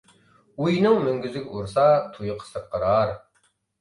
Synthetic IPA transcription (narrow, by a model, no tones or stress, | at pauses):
ujnɨŋmyŋɡʲyzɪɡʲɛuɾsɑt̪ʰujəqʰə̥səɾqʰːəɾɑɾ